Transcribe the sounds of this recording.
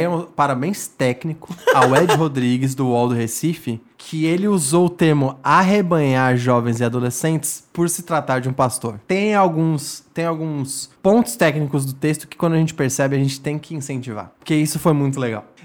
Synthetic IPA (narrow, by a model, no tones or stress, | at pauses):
paɾabẽj̃st̪ɛknikʊawɛd͡ʒɪɦod̪ɾiɡɪzd̪ʊɔwd̪ʊhesifɪ | kʰɪelɪuzowʊt̪eɾmʊaɦebɐ̃ɲaɾʒɔvẽj̃zɪad̪olesẽnt͡ʃɪ̥spʊɾsɪt̪ɾat̪aɾd͡ʒɪũpast̪oɾt̪ẽj̃awɡũst̪ẽj̃awɡũspõnt̪ʊ̥st̪ɛknikʊzd̪ʊt̪est̪ʊ̥kɪ̥kwɐ̃d̪aʒẽnt͡ʃɪ̥peɾsɛbɪaʒẽnt͡ʃɪt̪ẽj̃kɪĩsẽnt͡ʃiva̰ɾpoɾkeisʊfojmũj̃t̪ʊleɡa̰w